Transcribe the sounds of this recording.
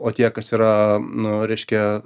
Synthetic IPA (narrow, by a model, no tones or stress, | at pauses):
oːt̪ʲiɛkɐsiːɾɐnʊɾʲɛɪʃʲkʲɛ